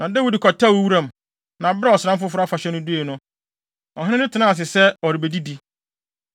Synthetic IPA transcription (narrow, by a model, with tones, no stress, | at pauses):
nã˨da˦wi˨dkʰɔ˨tʰa˦˨wo˨wu˦ɾã˦˨m˨ | nã˨bɾa˦ɔ˨sɪ˨ã˦mfʊ˦fʊ˦ɾʊ˦a˦fa˨ɕɛ˦nʊ̃˦du˦e˨nʊ̃˦ | ɔ˨ɦɪ̃˦ɪ̃˦nɪ̃˦tʰɪ˨nã˦a˨s̬ɪ˨sɛ˦ɔ˨ɾi˨be˨di˦di˦